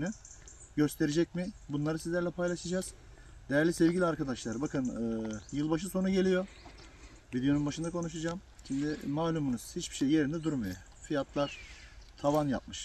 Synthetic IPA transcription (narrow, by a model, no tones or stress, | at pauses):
nɯ | ɟø̞st̪ʰe̞ɾed͡ʒɛc̚mɪbunlˠaɾɯsizlʲæɾlʲɛpʰajlˠaʃɯd͡ʒaz̥ | d̪ejæɾlʲisɛvɟilʲiaɾkad̪aʃlˠaɾbakʰɯnɯːjɯlˠbaʃ̬ɯso̞nuɟe̞lʲijo̞ | vid̪ejo̞nunbaʃɯnd̪akʰo̞nuʃad͡ʒaːm | ʃimd̪ɪmaːlʲumunɯz̥hit͡ʃbi̥ʃejːe̞ɾind̪ɛd̪uɾmaja | fijat̪lˠaɾ̥t̪ʰavanja̰p̚mɯʃ